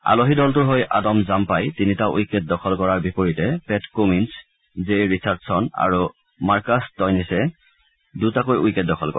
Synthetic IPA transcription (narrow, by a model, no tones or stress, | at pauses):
a̰loɦidɔltʊɹɦojʔa̰dɔmzampajtinitaʔujkːet̚dɔxʰɔlkɔɹaɹbipoɹitɛpɛtkomins | zejɹisaɹtsɔna̰ɹu | maɹkastɔjnisɛ | dutakojujkɛt̚dɔxʰɔlkɔ̰